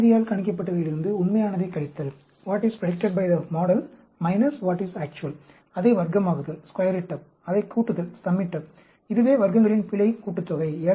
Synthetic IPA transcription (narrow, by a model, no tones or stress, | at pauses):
ðɪjaːlkɐɳɪk̬ːɐp̬ːɐʈːɐðɐɪlɪɾɯnd̪ɯʊnmɐjaːnɐðɐɪkːɐɭɪt̪ːɐl | ʋaːʈɪspɾɐʈɛk̚ʈɐɖ̚bɐɪðɐmɔːɽɐl | mɐɪnɐsʋaːʈɪsaːk̚t͡ʃʊɐl | ɐðɐɪʋɐɾɡɐmaːɣɯðɐlskwɐjɐɾɪʈːɐp̚ | ɐðɐɪkːuːʈːɯðɐlsɐmːɪʈːɐp | ɪðɯʋeːʋɐɾɡɐŋɡɐɭɪnpɪɭɐɪkuːʈːɯt̪ːɔɣɐɪeːɾ